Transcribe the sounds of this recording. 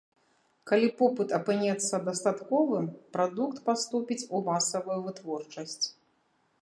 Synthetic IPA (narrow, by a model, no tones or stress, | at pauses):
kalʲipɔpɨt̪ɐpɨnʲɛt̪sːɐd̪ɐst̪at̪kɔvɨmpɾad̪ukt̪past̪upʲit͡sʲumasɐvujuvɨt̪vɔrt͡ʂɐsʲt͡sʲ